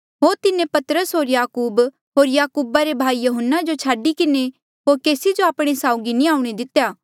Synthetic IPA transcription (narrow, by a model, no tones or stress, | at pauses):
ɦoːɾt̪ɪnẽpɐt̪əɾəsɦoːɾjaːkuːb | ɦoːɾjaːkuːbaɾebʱaːijɐɦənːad͡ʒot͡ʃʰaːɖikɪne | ɦoːɾkeːsid͡ʒoaːpɽ̃esaːʊɡinĩaːuɽ̃ed̪ɪt̪jaː